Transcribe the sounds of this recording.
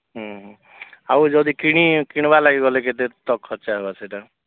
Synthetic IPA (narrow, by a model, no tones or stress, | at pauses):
ɦɔ̃ɦ | awd͡ʒɔd̪ikiɽ̃ikiɽ̃balaɡiɡɔleket̪̬et̪ɔkʰːɔt͡ʃaɦebaseʈa